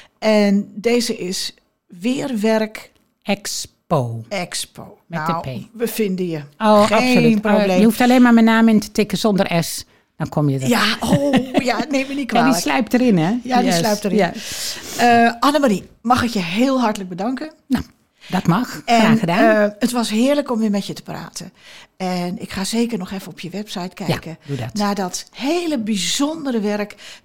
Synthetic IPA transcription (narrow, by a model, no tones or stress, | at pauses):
ɛndeːzəʔɪs | ʋɪːrʋɛrk | ʔɛkspoːɛkspʰoːmɛəpʰeːʋəfɪndəjəoːapsolytproblejəhuftaleːnmamənaːmɪntʰə̥tɪkəzɔndərʔɛs | d̥ɔnkʰomjədaojaneːmənikʋaaːdislœɥp̚təɾɪnɛjaislœɥp̚tərja | əanəmarimɑxɪkjəɦɪːlˠɦartələɡ̚bədɑŋkənno | dɔtmɑxɛraːxədaətʋɔsɦɪːələkɔmʋɪːmɛtjətə̥pra̰ːtʰəɛnɪkxaːzeːkərnɔxɛfənɔpjəʋɛpsajtkʰɛjakədudɔtnaːdɔthejləbizɔndərəʋɛrk